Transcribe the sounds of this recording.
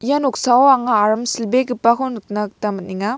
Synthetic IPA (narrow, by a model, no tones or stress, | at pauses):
ijanok̚sawwaŋaːɾɐmsilbeɡipakʰonuk̚nɐk̚tamɐt̚niŋa